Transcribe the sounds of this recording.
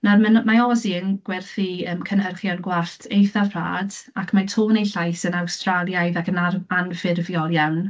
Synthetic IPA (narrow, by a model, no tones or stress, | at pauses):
narmənmaɔziənɡ̥wɛrθiəːmkʰənhərχjanɡwaɬtʰejθarpʰr̥a̰ːdakʰmatʰoːnejɬajsənawstralˠjajðakʰənaanfɪrvjɔlˠjawn